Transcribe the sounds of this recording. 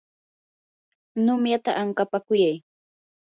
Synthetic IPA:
nʊmjat̪a̰ʔaŋkapakʊjaj

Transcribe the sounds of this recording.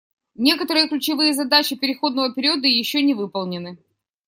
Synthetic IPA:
nʲe̞kət̪əɾɨjəklʲʉt͡ɕɪvɨjəzɐd̪at͡ɕɪpʲɪɾʲɪxo̞d̪nəvəpʲɪɾʲiuəd̪əjɪɕːonʲɪvɨpəlˠnʲɪnɨ

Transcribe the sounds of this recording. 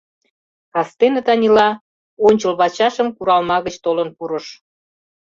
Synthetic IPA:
kɑst̪enə̆t̪ɑnʲilɑ | onʲt͡ɕə̆lβɑt͡ɕɑʃə̆mkuɾɑlmɑɣə̆t͡ɕt̪olənpuɾə̆ʃ

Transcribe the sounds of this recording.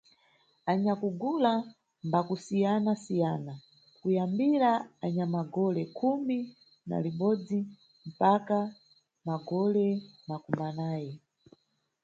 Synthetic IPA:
aɲakuɡula | mbakusijanasijaːna | kujambiɾaaɲamaɡɔlɛkʰumi | na̰liɓɔd͡zi | m̩paka | maɡɔlɛmakumanaːjɛ

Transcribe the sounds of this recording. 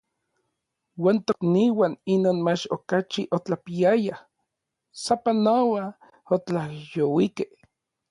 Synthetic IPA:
waːnt̪okniwaninoːnmat͡ʃokat͡ʃiʔot͡ɬapiaja | sapanowa | ot͡ɬahjowikeh

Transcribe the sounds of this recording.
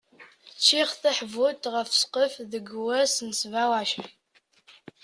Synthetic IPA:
t͡ʃʰiːχθɐħvutʰʁɐfsqəfðɨɡɨwɐsɨnsɨvaːwaːʃɐ

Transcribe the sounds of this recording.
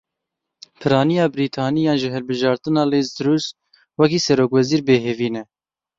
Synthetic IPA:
pʰɨɾɑːnijɑːbɾiːt̪ʰɑːnijɑːnʒɪɦɛlbɨʒɑːɾt̪ɨnɑːleːzd̪ɾuːs | wɛk̬iːsɛɾoːkwɛziːɾbeːɦeviːnɛ

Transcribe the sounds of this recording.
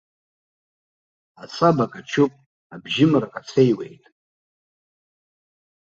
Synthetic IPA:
asʼabakʼat͡ʃʰupʼ | abʒɪmrakʼat͡sʰe̞jwe̞̰jtʼ

